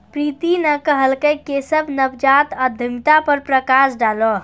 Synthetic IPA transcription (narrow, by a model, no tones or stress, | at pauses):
pɾit̪inəkəɦəlkəkesəbʱnəbd͡ʒat̪əd̪ʱəmt̪apəɾpɾəkasɖalɔ